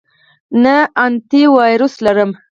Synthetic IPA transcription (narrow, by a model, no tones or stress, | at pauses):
nəant̪iwɑjɾuslaɾəm